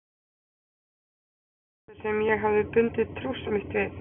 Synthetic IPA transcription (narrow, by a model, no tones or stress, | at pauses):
t̪ɪ̥sɛmjɛɣɦavðɪpʏlt̪ɪðt̪ʰːɾusmɪht̪vɪθ